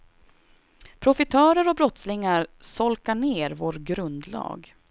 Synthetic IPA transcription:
pʰɾʊfɪt̪ʰœːɾəɾɔbɾɔt̪slɪŋaɾsɔlkaɳeːɾvoːɾɡɾɵnd̪lɑ̰ːɡ

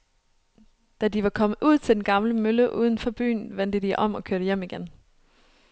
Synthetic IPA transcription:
d̥ædiʋɑ̈kʰɒ̽mð̩ˠʔuð̞̰ˠt͡sʰe̝d̥enɡ̥ɑ̈mləmøləʔuːð̞ˠn̩fɒ̽b̥y̰ːnʋen̰d̥əd̥iʔɒ̽m̰ɒ̽kʰøɐɾəjem̰iɡ̥en

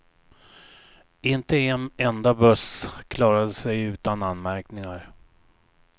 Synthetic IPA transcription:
ɪnt̪əɛnɛnd̪abɵskʰlɑːɾad̪əsɛjʉ̟ːt̪ananmæɾknɪŋaɾ

